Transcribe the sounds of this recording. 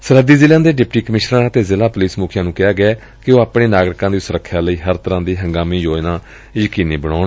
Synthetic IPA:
səɾəd̪iːzɪljãːd̪eːɖɪpʈiːkəmɪʃɾãːət̪eːzɪlaːpʊliːsmuːkʰjãːnũːkɪjaːɡɪaː | kɪoːaːpɽeːnaːɡɾɪkãːd̪iːsʊɾəkʰːjaːləiːɦəɾt̪əɾãːd̪iːɦəŋɡaːmiːjoːnãː | jəkiːniːbəɽaːɳ

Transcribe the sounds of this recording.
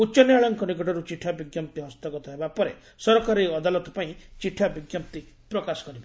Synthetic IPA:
ut͡ʃɔnjaɭɔŋkɔnikɔʈɔɾut͡ʃiʈʰabiɡjamp̚t̪iɦɔst̪ɔɡɔt̪ɔɦebapɔɾe | sɔɾɔkaɾiɔd̪alɔt̪ɔ̥paĩt͡ʃiʈʰːabiɡjamt̪i | pɾɔkasɔ̥kɔɾiba

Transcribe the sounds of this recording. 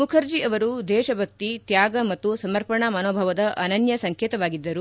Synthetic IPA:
mukʰɐɾd͡ʒiɐʋɐɾud̪ɛːʃɐbʱɐk̚t̪it̪jaːɡɐmɐt̪ːusɐmɐɾpɐɳɐmɐnoːbʱɐʋɐd̪ɐʔɐnɐnjɐsɐŋkɛːt̪ɐʋaːɡid̪ːɐɾu

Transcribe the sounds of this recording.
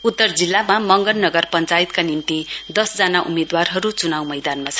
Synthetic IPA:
ut̪ːʌrd͡zilːamamʌŋɡʌnːʌɡʌrpʌnt͡sajit̪̚kanint̪id̪ʌsd͡zanaʔumed̪warɦʌɾut͡sunawmʌjd̪anmat͡sʰʌ̥

